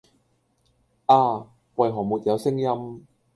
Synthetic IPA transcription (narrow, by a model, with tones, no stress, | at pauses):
ʔaː˧ | wɐ˨jɦɔː˨˩muː˨t̚jɐ˨˧wsɪ˥ŋjɐ˥m